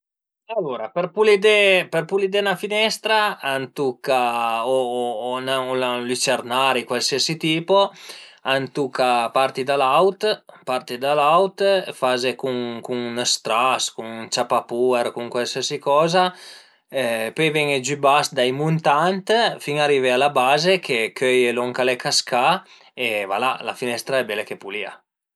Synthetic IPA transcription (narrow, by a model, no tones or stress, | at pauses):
alːuɾaperpulid̪eperpulid̪enafinɛst̪ɾaant̪ukːaonaolalit͡ʃernaɾikwalsiasit̪iːpoant̪ukapart̪id̪alawt̪part̪id̪alawt̪fazekuŋkuŋnəst̪ɾaskuŋut͡ʃapapueɾkuŋkwalsiasikɔːza | ɛpøjvɛŋed͡ʒybasd̪ajmunt̪ant̪fiŋarivealabaːzekʰekʰøjelɔŋkalekaska | eva̰lala̰finɛst̪ɾaɛbɛlekepulia̰